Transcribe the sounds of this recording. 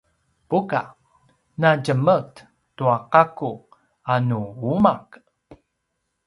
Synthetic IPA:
puka̰ | naɟəmət | tuaqaku | anuumak

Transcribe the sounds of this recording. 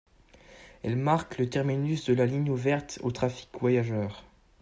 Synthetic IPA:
ɛlmaʁklət̪ɛʁminysd̪əlaliɲuvɛʁt̪o̰t̪χafi̥kvwajaʒœːʁ

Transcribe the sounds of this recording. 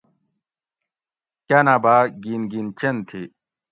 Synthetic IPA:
kɐnabaːɡinɡint͡ɕent̪ʰi

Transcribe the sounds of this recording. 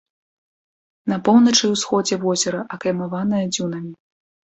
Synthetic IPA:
nɐpɔwnɐt͡ʂɨwsxɔd͡zʲɛvɔzʲɛɾɐʔɐkɾʲɐmavan̪ɐjɐd͡zʲunɐmʲi

